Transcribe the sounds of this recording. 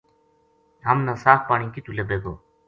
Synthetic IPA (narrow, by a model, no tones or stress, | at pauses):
ɦəmnãːsaːfpaːɳĩːkit̪ulebeːɡoː